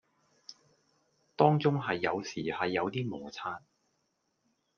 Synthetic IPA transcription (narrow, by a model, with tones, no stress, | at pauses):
t̪ɔː˥ŋt͡sʊ˥ŋɦɐ˨jːɐ˨˧wsiː˨˩hɐ˨jːɐ˨˧wt̪iː˥mʊː˨˩t͡sʰaː˧n